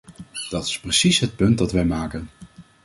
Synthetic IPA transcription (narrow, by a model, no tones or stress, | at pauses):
d̥ɑtɪ̥sprəsisɦət̚pɵntdɑtʋɛjmaːkən